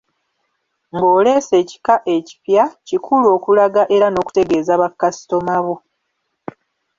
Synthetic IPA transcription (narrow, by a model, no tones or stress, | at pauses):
ŋɡoːle̞ːse̞ːci̥kaʔe̞ci̥pjacikʰulo̞ːkulaɡaʔe̞ɾano̞ːku̥te̞ɡe̞ːzaβakːasi̥to̞maβo